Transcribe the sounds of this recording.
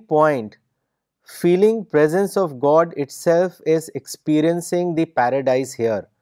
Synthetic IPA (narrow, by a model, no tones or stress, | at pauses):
pɔ̃ɪ̃ɳʈ | fiːlɪ̃ŋpɾezə̃nsɔʋɡɔːɖɪʈsɛlfɪzekspiːɾiə̃nsɪ̃ŋɡd̪ipæɾəɖaɪshiəɾ